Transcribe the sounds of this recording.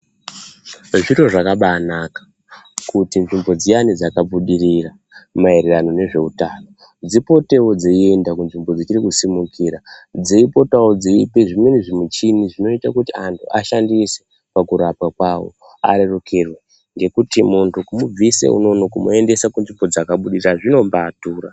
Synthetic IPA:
ʐiro̞ʐakaɓanakḁ | kutinʐimbo̞d͡zijanid͡zakabuɗirira | maeɾerano̞ne̞ʐe̞utano | d͡zipo̞te̞wod͡zeiendakunʐimbo̞d͡zit͡ʃirikusimukiːɾad͡zeipo̞tawod͡ziipeʐimeniʐimut͡ʃiniʐino̞itakutiantʰṵʔaʃandise̥ | pakuɾapwakwawo̰ | a̰ɾe̞rokʰerwe̞ | ŋɡe̞kutimuntʰukumub͡visḛṵno̞nokumue̞nde̞sakunʐimbo̞d͡zakaɓuɗiriaʐino̞mbaːtuːɾa

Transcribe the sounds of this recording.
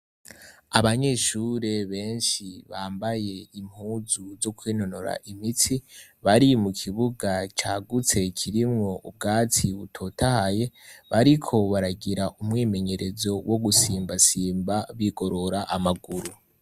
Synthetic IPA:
aβaɲe̞ʃuɾe̞βe̞ːnʃiβaːmbaje̞im̥huːzuzo̞kwiːno̞no̞ɾa̰ʔimitiβaɾimukʰiβuɡat͡ʃaːɡut͡se̞kʰiɾimŋo̞ʔub̚ɡaːtʰiβutʰo̞tahaje̞βaɾikʰo̞βaɾaɡiɾaʔumŋiːme̞ɲe̞ɾe̞zo̞wʔo̞ɡusiːmbasiːmbaβiɡo̞ɾo̞ɾaʔamaɡuɾu

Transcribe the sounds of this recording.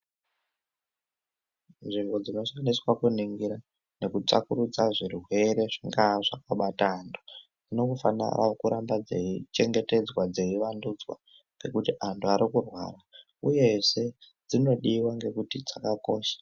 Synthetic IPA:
nʐiŋɡo̞d͡zino̞ʂianiswakuniŋɡiɾa | ne̞kut͡ʂakuɾud͡zaʐiriɦwe̞ɾe̞ʐiŋɡaʐakaɓataːntu̥ | d͡zino̞kufana̰ra̰kuɾambad͡zeit͡ʃe̞ŋɡe̞te̞d͡zwad͡ze̞iʋandud͡zwa̰ | ke̞kutiʔantʰuaɾikurwa̰ːra | uje̞se̞ | d͡zino̞ɗiwaŋɡe̞kutid͡zakako̞ːʃḁ

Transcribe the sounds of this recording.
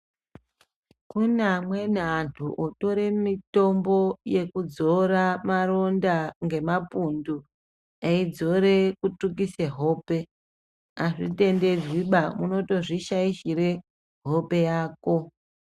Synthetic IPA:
kunamwe̞nantʰuʔoto̞ɾe̞mito̞mbo̞je̞kud͡zo̞ramaro̞ndaŋɡe̞mapundu | aid͡zo̞ɾe̞kutuk̬iseɦo̞ːpe | aʐite̞nde̞d͡ziɓamuno̞to̞ʐiʃaiʃiɾe̞ | ɦo̞pe̞jaːko̞

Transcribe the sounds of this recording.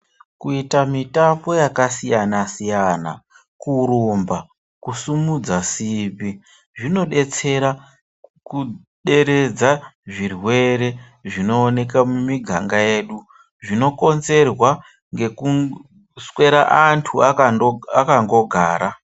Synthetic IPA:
kuitamitampo̞jakasijanasijana̰ | kuɾumba | kusumud͡zasibi | ʐino̞ɗe̞t͡se̞ɾa | ku | ɗe̞ɾe̞d͡zaʐirwe̞ɾe̞ | ʐino̞ːne̞kamumiɡʱa̰ŋɡaje̞ːɗu | ʐino̞ko̞nze̞rwa | ŋɡe̞ku | swe̞ɾa̰ʔantʰuaakaŋɡo̞ɡʱa̰ːɾa

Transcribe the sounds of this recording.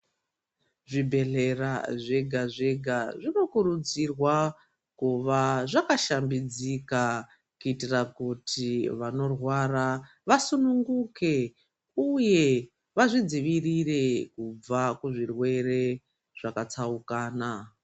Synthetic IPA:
ʐibʱe̞ɮe̞raʐe̞ɡʱaʐe̞ɡʱaʐino̞kuɾud͡zirwa | kuʋaʐakaʃambid͡zika | kuitirakutʰiʋano̞rwara | ʋasunuŋɡuke̞ | uje̞ | ʋaʐid͡ziʋirire̞kub͡vakuʐirwe̞re̞ | ʐ̥akat͡saukaːna

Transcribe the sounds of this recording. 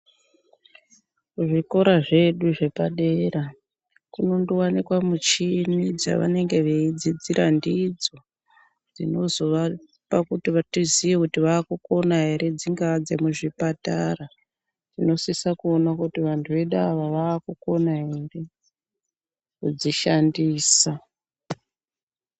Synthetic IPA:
uʐiko̞ɾaʐe̞ɗuʐe̞paɗeɾa | kuno̞nduwanikwamut͡ʃinid͡za̰ʋa̰ne̞ŋɡe̞ʋeid͡zid͡ziɾandid͡zo̞ | d͡zino̞zo̞ʋa | pakutiʋatiziʋekutiʋaːkuko̞naɦe̞ɾe̞d͡ziŋɡad͡ze̞muʐipatara | tino̞sisakuonakutiʋantʰuʋe̞ɗaʋaʋaːkuko̞naɦere̞ | kud͡ziʃandiːsa

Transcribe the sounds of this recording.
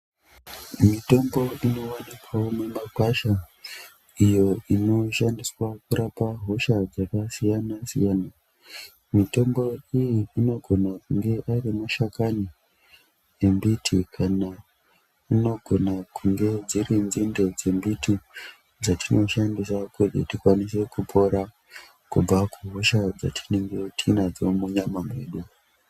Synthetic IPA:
mito̞mbo̞ino̞wanikʰaomemakwaʃa | ijo̞ino̞ʃandiswakuɾapaɦo̞ʃad͡zakasijanasḭjaːna | mito̞mbo̞ijiːno̞ɡʱo̞nakuŋɡe̞ʔarimuʃakani | je̞mbitʰikʰana | ino̞ɡʱo̞nakuŋɡe̞d͡ziɾinzinde̞d͡ze̞mbiti | d͡zatʰinʔo̞ʃandisakutḭtikwanise̞kupʰo̞ɾa | kub͡vakuɦo̞ʃad͡za̰tʰi̥neŋɡetʰinad͡zomuɲamamwe̞ːɗu

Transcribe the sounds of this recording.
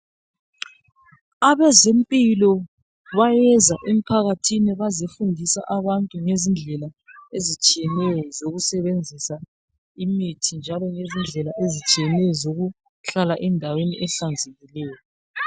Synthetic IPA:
aβɛzempʼilɔ | βajɛzaʔem̩pʰaɣatʰiniβazifundʱisa̰ʔaβantʼuŋezind͡ɮʱɛla | ezit͡ʃʼijɛnɛjɔzoɣusɛβend͡zʱisa | imitʰind͡ʒʱalɔŋezind͡ɮʱɛlaʔezit͡ʃʼijɛnɛjɔzoɣu | ɬalaʔɛndʱaweniʔɛɬand͡zʱeɣilɛːjɔ

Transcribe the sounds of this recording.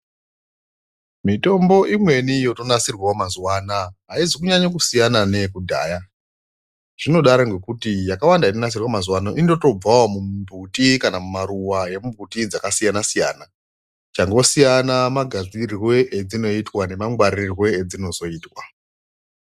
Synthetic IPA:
mito̞mbo̞ʔimwe̞nijo̞to̞nasirwaomazuwanaɦaizikuɲaɲak̬usijanane̞kudʱa̰ːja | ʐ̥ino̞ɗaɾoŋɡe̞kutijakawandainonas̬irwamazwanoʔindo̞to̞b͡vawomubʱutikanamumaɾuwaje̞mumbʱutid͡zakasijanasija̰ːna | t͡ʃaŋɡosijanamaɡʱad͡zirwe̞ʔed͡zino̞itwane̞maŋɡwaɾirwe̞ːd͡zino̞zo̞iːtwa

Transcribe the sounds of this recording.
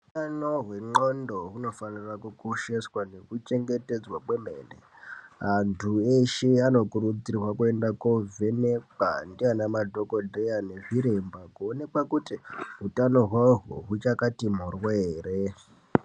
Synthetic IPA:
ɦuutano̞ɦwe̞ŋ͡ǃondo̞ɦuno̞fanirakukuʃeswane̞kut͡ʃe̞ŋɡe̞te̞d͡zwakwemḛːnḛ | antʰueʃeano̞kuɾud͡zirrwakue̞ndakovenek͡pa̰ndianamadʱo̞kodʱejane̞ʐiɾembakuonekwakutiɦutano̞ɦwaɦṵɦut͡ʃakatimurweːre

